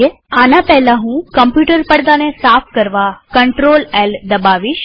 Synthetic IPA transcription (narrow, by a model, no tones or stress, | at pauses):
e | anapɛɦlãɦũkəmpjuʈəɾpəɽd̪anesapʰkəɾʋakəɳʈɾoleld̪əbaʋiʃ